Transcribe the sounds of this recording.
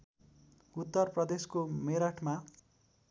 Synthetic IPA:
ut̪ːʌrprʌd̪eskomeɾaʈʰma

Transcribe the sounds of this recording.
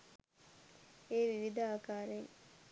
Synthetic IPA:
eːʋiʋid̪ɐaːkaːɾeŋ

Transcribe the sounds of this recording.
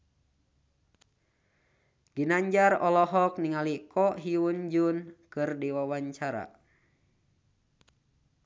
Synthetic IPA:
ɡinaɲd͡ʒarɔlɔɦɔkniŋalikʰɔʔɦiund͡ʒunkɨrdiwawaɲt͡ʃaɾa̰

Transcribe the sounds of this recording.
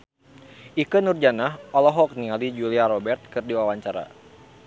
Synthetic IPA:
ʔikənurd͡ʒanahɔlɔɦɔk̚niŋalid͡ʒuliaɾɔbɛrt̪̚kɨrdiwawaɲt͡ʃaɾa̰

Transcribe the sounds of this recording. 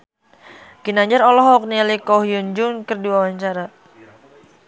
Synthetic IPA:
ɡ̥inaɲd͡ʒaɾɔlɔɦɔk̚nilikɔɦjʊnd͡ʒʊŋkərdiwawaɲt͡ʃaɾa

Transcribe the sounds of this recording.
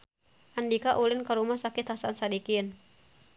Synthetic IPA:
ʔandikaʔulɪnkaɾumahsakɪt̪hasansadikin

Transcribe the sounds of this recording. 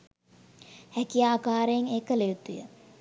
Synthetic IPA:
hækijaːkaːɾəjeŋeːkəlejut̪ujə̰

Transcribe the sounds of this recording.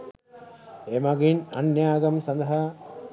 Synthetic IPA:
emaɡinɐ̰njaːɡɐmsɐnd̪ɐɦa

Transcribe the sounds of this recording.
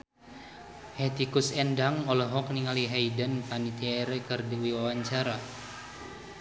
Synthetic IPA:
het̪ikusɛndaŋɔlɔɦɔk̚niŋaliɦajdənpanit̪iɛɾɛkɨrdiwiwawaɲt͡ʃaɾa

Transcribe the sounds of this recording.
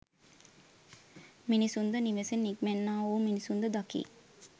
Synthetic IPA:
minisund̪əniʋesenːikmenːaːoːminisund̪əd̪akḭː

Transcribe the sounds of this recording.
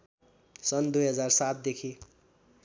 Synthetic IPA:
sʌnd̪ujɦʌd͡zarsat̪̚d̪ekʰi

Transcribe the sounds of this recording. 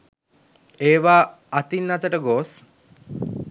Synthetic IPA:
eːʋaː | at̪inːat̪əʈəɡoːs

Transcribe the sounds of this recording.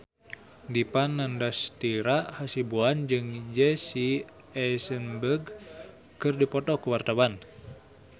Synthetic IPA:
dipanːandast̪iɾaʔhasibuand͡ʒɨŋd͡ʒɛsi | ɛsənbəɡ | kɨrdipɔt̪ɔkuwart̪awan

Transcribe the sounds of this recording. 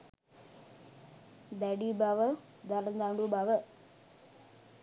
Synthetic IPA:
d̪aɖibaʋə | d̪ɐɾnd̪aːɳɖubaʋə

